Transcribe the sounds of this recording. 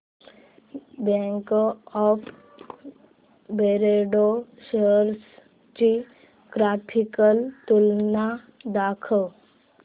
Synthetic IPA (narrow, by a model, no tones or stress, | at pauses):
bɛ̃ŋkɔːpʰ | beɾeɖoʃəɾs | t͡ʃi | ɡɾapʰikəlt̪ulna | d̪akʰə